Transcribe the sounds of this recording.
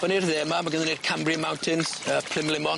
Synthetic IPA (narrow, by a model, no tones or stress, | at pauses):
v̥ɔnirðɛːmamaɡənðəned̥̚kʰambriəmawntʰɪnsəpʰl̥ɪmlɪmɔn